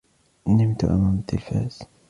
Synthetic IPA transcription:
nɪmt̪ʊ̰ʔa̰maːmat̪ːɪlfa̰ːz̥

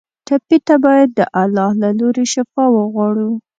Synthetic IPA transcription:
ʈapit̪abɑjad̪̚ːə̰ʔalɑhlaloɾeʃafɑwəɣwɑɽu

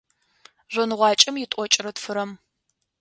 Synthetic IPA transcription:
ʑʷɨnɨʁʷɑːt͡ʃʼɐmjɪtʷʼɔt͡ʃʼɪrɐtfɨɾɐm

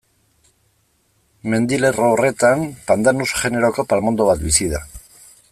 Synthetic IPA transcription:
me̞nd̪ile̞roːre̞t̪ampand̪anusʝe̞ne̞ɾo̞ko̞palmo̞nd̪o̞β̞at̪bisiða̰

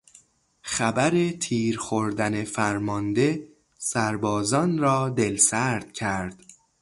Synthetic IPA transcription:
xæbæɾet̪ʰiːɾxoɾd̪æne̞fæɾmɒnd̪e̞ | sæɾbɒːzɒːnɾɒːd̪elsæɾd̪̥̚cʰæɾd̪̥

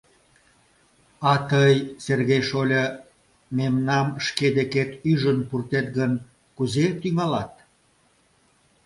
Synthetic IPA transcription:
ɑt̪əjserɣejʃolʲə | memnɑmʃked̪eket̪yʒənpurt̪et̪ɣən | kuzet̪yŋɑlɑt̪̚

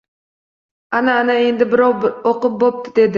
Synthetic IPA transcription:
ɑnaːnae̞nd̪ɪbɪɾɑwˠoqʊp̚bop̚t̪ɪ̥d̪e̞d̪ɪ

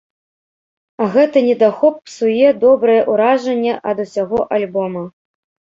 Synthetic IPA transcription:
ɐɣɛt̪ɐnʲɛd̪axɔpːsujɛd̪ɔbɾɐjɛʔuɾaʐɐnʲːɛʔɐd̪usʲaɣɔʔalʲbɔmɐ

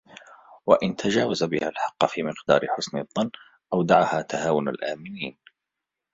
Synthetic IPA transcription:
waʔɪnt̪ʰad͡ʒaːwazabɪhalħɑqːɑfiːmɪqd̪ɑ̰ːɾɪħʊsnɪðˤːɑnː | ʔawd̪aʕahaːt̪ʰahaːwʊna̰lʔaːmɪniːn

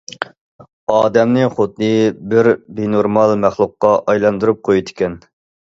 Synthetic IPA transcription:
ɑːd̪ɛmnɨχod̪̚ːɨbɪɾbenoɾmɑlˠmæχlˠuqːɑʔɑjlˠɑnd̪uɾup̚qʰojud̪ɪ̥kʲɛn

